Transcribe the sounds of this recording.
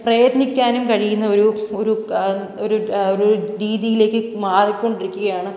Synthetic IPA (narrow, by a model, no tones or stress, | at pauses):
prɐjɐt̪nikʲːaːnumkɐɻijunːɐo̞ɾuo̞ɾu | oɾuoɾuɾiːðijile̞ːkːɨmaːrikʲːo̞ɳɖiɾikʲːuɣɐjaːɳɨ